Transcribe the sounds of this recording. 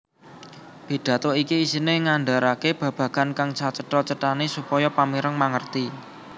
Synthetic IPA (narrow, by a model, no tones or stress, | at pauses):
b̥i̤d̪̥ä̤t̪ɔikiːsineŋaɳɖa̤ɾakeb̥ä̤b̥ä̤ɡ̥ankaŋt͡ʃat͡ʃəʈɔt͡ʃəʈanesupɔjɔpamiɾəŋmaŋərt̪i